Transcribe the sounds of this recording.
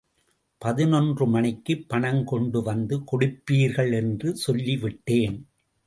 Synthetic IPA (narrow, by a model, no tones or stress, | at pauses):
pɐðɪnɔndrɯmɐɳɪkːɯpːɐɳɐŋkɔɳɖɯʋɐnd̪ɯkɔɽɪpːiːɾɣɐɭɛndrɯsɔlːiʋɪʈːeːn